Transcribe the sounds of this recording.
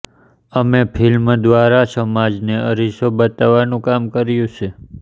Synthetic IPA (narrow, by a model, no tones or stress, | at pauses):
əmepʰilmd̪ʋaɾasəmad͡ʒneəɾisobət̪aʋanũkamkəɾjũt͡ʃʰe